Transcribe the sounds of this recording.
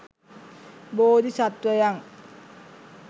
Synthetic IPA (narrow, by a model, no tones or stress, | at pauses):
boːd̪isat̪ʋɐjaŋ